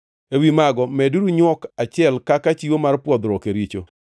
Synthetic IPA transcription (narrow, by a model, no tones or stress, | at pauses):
ewimaɡɔmɛduɾuɲwɔkat͡ʃɪɛlkakat͡ʃiwomarpwɔd̪ɾɔkeɾit͡ʃo̰